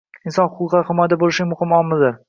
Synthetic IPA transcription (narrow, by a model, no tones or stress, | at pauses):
ɪnsɒnχʊqʰːʊlˠqɑɾhɪmɒjad̪abolˠɪʃɡʲamʊhɪmɒlˠmɪzd̪ɪɾ